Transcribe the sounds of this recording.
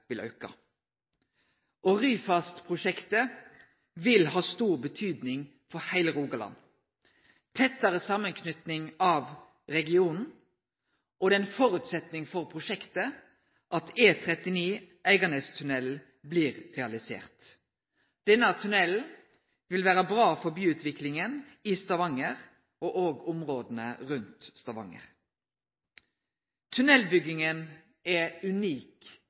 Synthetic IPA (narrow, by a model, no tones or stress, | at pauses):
ʋɪlʔœ̰ʉkɑ̰ | ʔɔʁyːfɑst̪pʰʁʊʂɛkt̪ə | ʋɪlhɑːst̪uːʁbət̪ʰyːd̪nɪŋ | fɔɾhæɪləɾuːɡɑlɑ̰n | t̪ʰɛt̪ːəɾəsɑmːənkʰnʏt̪nɪŋɑʋ | ɾɛɡɪuːnn̩ | ʔɔd̪ɛɛnfɔɾʉt̪sɛt̪nɪŋfɔʁpʰʁʊʃɛkt̪ə | ʔɑt̪eːt̪ʰɾɛt̪ɪniː | æɪɡɑnəst̪ʰʉnɛl | bliːʁʁɛɑlɪsḛːʁt̪ | d̪̥ɛnːət̪ʰʉnɛl | ʋɪlʋæːɾəbʁɑːfɔɾbyːʉːt̪ʰʋɪklɪŋənɪst̪ɑʋɑŋəʁ | ʔoːʔoːɡʊmʁoːd̪n̩ə̰ʁʉnt̪st̪ɑʋɑ̰ŋə̰ɾ | t̪ʰʉnɛlbʏɡɪŋən | ɛʉniːk